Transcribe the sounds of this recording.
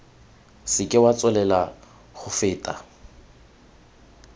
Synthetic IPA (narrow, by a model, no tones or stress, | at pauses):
sɪkʼɪwat͡sʼʊlɛla | χʊfɪːtʼa